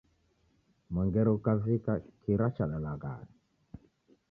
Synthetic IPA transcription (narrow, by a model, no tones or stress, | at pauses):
mɛŋɡɛɾukavikakiɾat͡ʃaɗalaɡa̰ːni